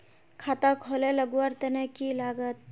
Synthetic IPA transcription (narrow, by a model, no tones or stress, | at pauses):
kʰat̪akʰɔleləɡʋaɾt̪enekilaɡət̪̚